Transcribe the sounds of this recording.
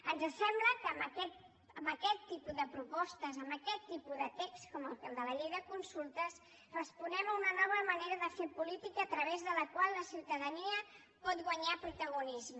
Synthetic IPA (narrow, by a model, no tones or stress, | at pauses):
ənzəsɛmbləkəːmbəkɛt̪ | əmbəkɛt̪ːipuðəpɾupɔst̪əzəmbəkɛt̪ːipuðət̪ekstkɔməlˠkəlˠd̪ələʎejðəkunsulˠt̪əs | rəspunɛməunənɔβ̞əməneɾəðəfepulit̪ikəːt̪ɾəβ̞ezðələkwalˠləsiwt̪əðəniə | pɔt̪̚ɣwəɲapɾut̪əɣunizmə